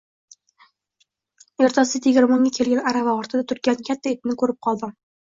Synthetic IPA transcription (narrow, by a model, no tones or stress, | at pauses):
eɾt̪ʰasɪt̪ʰɪɡʲɪɾmʊŋʲakʲʰelɡʲanaɾavaɒɾt̪ʰad̪at̪ʰʊɾkʲankʲʰat̪ʰːaet̪ɪnɪkɵɾɪp̚qʰɒlˠd̪ɪ